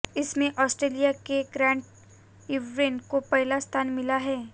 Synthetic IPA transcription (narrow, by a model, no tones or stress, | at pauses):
ɪsmẽʔɔːsʈɾeːlijakeɡɾɛ̃ːɳʈ̚ | ɪʋɾeːnkopɛɦlast̪ʰaːnmɪlaɦɛː